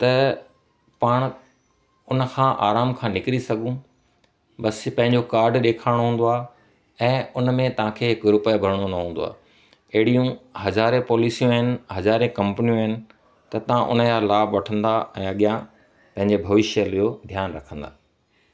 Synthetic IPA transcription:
t̪ɐ | paːɽ̃ | ʊnə̆kʰãːʔaːɾaːmkʰãːnɪkɾisɐɡʱũ | ɓɐspɐ̃ɦɪ̃ɲd͡ʑokaːɾɖɗeːkʰaːɪɽ̃oɦũːn̆d̪oaː | ɛ̃ːʊnmẽt̪ɐʋ̤ãkʰeːɦɪkɾʊpəbʱɐɾəɽ̃onɐɦũːnd̪o̰a̰ː | ɐɦɪɽijũɦɐzaːɾẽpɔːlisijõɦɪnɪ̆ɦɐzaːɾẽkɐ̃mpnijũɦɪnɪ̆ | t̪ɐt̪ɐʋ̤ãʔʊ̰njalaːbʋɐʈʰə̃nd̪aɛ̃ːɐɠijã | pɐ̃ɦɪ̃ɲd͡ʑebʱɐʋɪʃəlijod̪ʱjaːnɾɐkʰə̃nd̪a̰ː

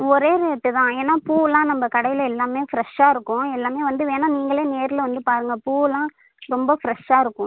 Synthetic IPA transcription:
ɔɾeːɾɯɛʈːɯt̪ãːeːnːaːpuːlãːnɐmbɐkɐɽɐɪjɪlɛlːaːmeːfɪɾɐʂaːɪɾɯkːʊ̃ɛlːaːmeːʋɐnd̪ɯʋeːnaːniːŋɡɐɭeːneːɾɪlʋɐnd̪ɯpaːɾɯŋɡɐpuːlãː | ɾɔmbɐfɪɾɐʂaːɪɾɯkːʊ̃

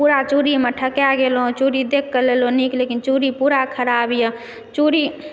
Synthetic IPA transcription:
puɾat͡ʃuɾimeʈʰəkjaɡelɦõt͡ʃuɾid̪ekʰːəleloniklekint͡ʃuɾipuɾakʰəɾabijə̃ | t͡ʃuɾi

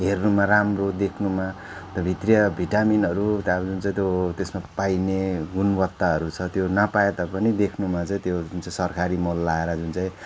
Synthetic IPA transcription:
ɦernumaramrod̪ekʰnuma | t̪ʌbʱit̪rijʌbʱiʈaminɦʌɾut̪ad͡zunt͡saĩt̪jot̪esmapajneɡunbʌt̪ːaɦʌɾut͡sʰʌt̪jonʌpaet̪ʌpʌnid̪ekʰnumat͡saĩt̪jod͡zunt͡saĩsʌrkʰaɾimʌlːaeɾʌd͡zunt͡saĩ

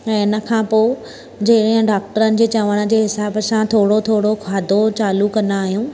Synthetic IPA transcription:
ɛ̃ːɪnə̆kʰãːpoː | d͡ʑɐɦɪɽəɦɪ̃ɖaːk̚ʈəɾənɪ̆d͡ʑeːt͡ɕɐʋəɽ̃ə̆d͡ʑeːɦɪsaːbəsãt̪ʰoːɽot̪ʰoːɽokʰaːd̪ʱot͡ɕaːlukɐnd̪aaːɦijũː

